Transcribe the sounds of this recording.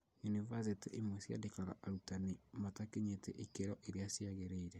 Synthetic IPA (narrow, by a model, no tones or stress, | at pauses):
junivas̬eteʔimwɛsja̰ndekaɣa̰ʔaɾutanematakeɲeteʔikeɾɔʔeɾiasiaɣeɾeiɾɛ